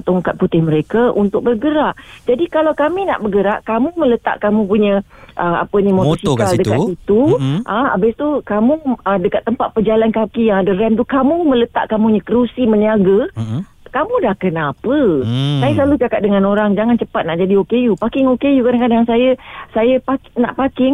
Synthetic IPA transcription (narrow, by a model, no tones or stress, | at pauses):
t̪oŋkat̪̚put̪ɪhməɾekaʔunt̪ʊk̚bərɡəɾaʔd͡ʒadikalawkamina̰ʔbəɡəɾaʔkamumələt̪a̰ʔkamũpuɲə | ʔəa̰pənĩmosikaldəkkat̪it̪uʔaa̰bɪst̪ukamuədəkat̪ːəmpat̪̚pəd͡ʒalankakijaŋadərɛmt̪ukamũmə̃lət̪a̰ʔkamuɲəkəɾusiməniaɡə | kamudahkənapəsajəslalut͡ʃakat̪̚dəŋanoɾaŋd͡ʒaŋant͡ʃəpat̪̚naʔd͡ʒadiokejupakɪŋokejukadaŋkadaŋsajəsajəpakna̰ʔpakɪŋ